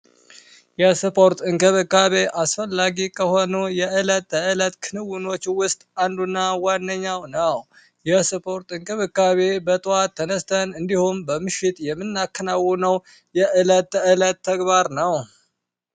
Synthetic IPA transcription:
jɛsɨpʰo̞ɾt̪ʼɨŋkʰʼɨβɨkːaβeʔasfəlːaɡikʰəho̞nujɛʔɨlət̪ːəɨlət̪kʰɨnɨwɨno̞t͡ʃːwʊst̪ʼand̪unːawanːəɲːawnəw | jɛsɨpʰo̞ɾt̪ʼɨŋkʰʼɨβɨkːaβebət̪ʼɨat̪ʰːənəst̪ʰənɨnd̪ihumbəmɨʃɪt̪ʼjɛmːɨnːakːənawːunəw | jɛʔɨlət̪ːəɨlət̪ʰːəɡbaɾnəw

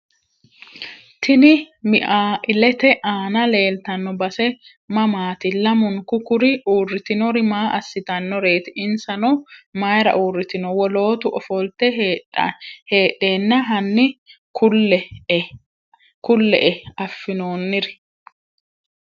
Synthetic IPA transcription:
t̪ʰɪnɪ | mɪʔaːʔɪlɛt̪ɛʔaːnɐle̞ːlt̪ɐnːɔbɐsɛ | mɐmaːt̪ɪlɐmʊŋkʊkʊɾɪʔuːrːɪt̪ɪnɔɾɪmaːʔɐsːɪt̪ɐnːɔɾe̞ːt̪ɪʔɪnsɐnɔmajɾɐ̰ʔuːrːɪt̪ɪnɔwɔlo̞ːt̪ʊʔɔfɔlt̪ɛ | heːɗːeːnːɐɦɐnːɪ | kʊlɛ | kʊlːɛ̰ʔɛɐfːɪnoːnːɪɾɛ̥

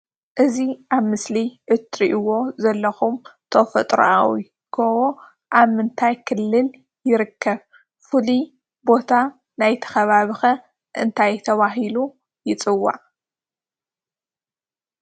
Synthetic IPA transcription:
ʔɨziʔaβmɨsliʔɨt̪ɾiʔɨwo̞zɐlːɐxumt̪ʰofɐ̰t̪ʼɾṵʔawi | kʰowo | ʔaβmɨnt̪ʰajkʰɨlːɨl | jɪɾɨkʰːɐβ | fɨli | bo̞t̪ʰa | najt̪ʰɐ̥xɐβaβɨxɐ | ʔɨnt̪ʰajt̪ʰɐβaɦilu | jɪt͡sʼɨwːa̰ʕ

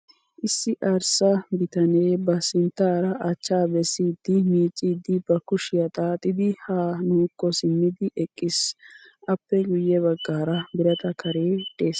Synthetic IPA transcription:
ʔɪsːɪʔɐɾsɐbɪt̪ɐneːbɐsɪnt̪ːaːɾɐʔɐt͡ʃːaːbɛsːiːd̪ːɪmiːt͡sʼːiːd̪ːɪbɐkʊʃɪjɐt̪ʼaːt̪ʼːɪd̪ɪhaːnuːkːɔsɪmːɪd̪ɪʔɛkʼːɪs | ʔɐpːɛɡʊjːɛβɐɡːaːɾɐbɪɾɐt̪ɐkʰɐɾeːt̪ʼːeːs

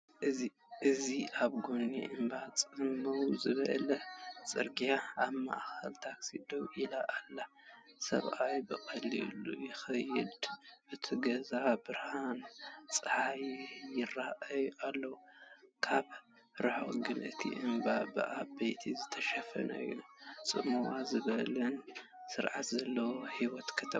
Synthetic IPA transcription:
ʔɨzi | ʔɨziʔaβɡonːḭʔɨmbat͡sʼɨmːɐwzɨβɐ̰lɐt͡sʼɨɾɡijaaβma̰ʔxɐlt̪ʰaksid̪owʔilaʔalːa | sɐ̰βʔajbɨxʼɐlḭlujɪxɐjːɪd̪ʔɨt̪ʰiɡɐzabɨɾhant͡sʼɨħajjɪraʔɐjʔalːɐwukʰaβ | ɾɨħo̰ʔʼɡɨnɨt̪ʰḭʔɨmbabɨ̰ʔabɐjt̪ʰizɨt̪ʰɐʃɐfɐ̰nɐ̰j̰nsʼɨmuwazɨβɐlɐnsɨɾʕat̪zɐlːɐwohiwɔt̪kʰɐt̪ʰɐ

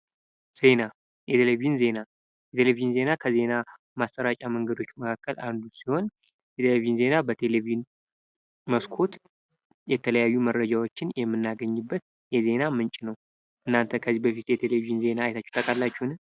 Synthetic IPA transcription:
z̥e̞na | jʔɛt̪ʰelevijɪnze̞na | jɛt̪ʰelevijɪnze̞nakʰəze̞na | mast̪ʼəɾat͡ʃʼaməŋɡəd̪o̞t͡ʃːməkʰakːəlʔand̪usiho̞n | jɛt̪ʰelevijnze̞nabət̪ʰe̞levijn | məskʰo̞t̪ | jɛt̪ʰələjajːumərːəd͡ʒawo̞t͡ʃːɪnjɛmːɨnːaɡəɲːɨbːət̪̚ | jɛze̞namɨnt͡ʃʼnəw | ʔɨnːant̪ʰəkʰəzibəfit̪jɛt̪ʰe̞levijnze̞naːjt̪ʰat͡ʃːɛ̥t̪ʰʼəkʼalːat͡ʃːuhn

